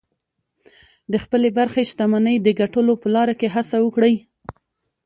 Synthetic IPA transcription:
d̪əxpəlebaɾxeʃt̪amanəjd̪əɡaʈəlopəlɑɾakeɦasawəkɽəj

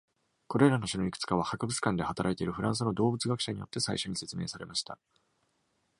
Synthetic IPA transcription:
ko̞ɾe̞ɾano̞ɕinoikɯ̟̥t͡sɨ̥kaβ̞ahakɯ̟bɯ̟t͡sɨ̥kãnd̪ehat̪aɾʔait̪eiɾɯ̟ɸɯ̟ɾãɰs̬ɨno̞d̪o̞ːbɯ̟t͡sɨɡakɯ̟ɕaɲ̟ijo̞̰t̪ːe̞saiɕo̞ɲ̟ise̞t͡sɨme̞̰ːsaɾe̞maɕi̥t̪a̰

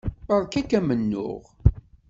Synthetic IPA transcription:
əðˤkækːæmənːʊ̰ʁ

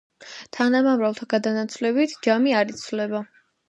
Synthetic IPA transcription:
t̪ʰanamamɾavlˠt̪ʰaɡad̪anat̪sʰvlɛbit̪ʰd͡ʒamiaɾit̪sʰvlɛba

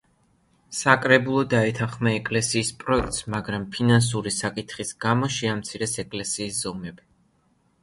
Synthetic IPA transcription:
sakʼɾɛbulˠɔd̪aɛt̪ʰãχmaɛkʼlɛsiːspʼɾɔɛk̚ʰt̪smaɡɾampʰinans̬uɾisakʼit̪χisɡamɔʃiamt̪sʰiɾɛsɛkʼlɛsiːsz̥ɔmɛbi

